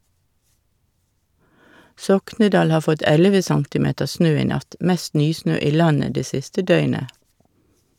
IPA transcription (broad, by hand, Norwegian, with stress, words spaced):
ˈsɔknədɑːl ˈhɑː ˈfɔt ˈɛləʋə ˈsɑŋtɪˌmeːtəʁ ˈsnøː ˈiː ˈnɑt ˈmɛst ˈnyːˌsnøː ˈiː ˈlɑnə ˈdeː ˈsɪstə ˈdœʏnə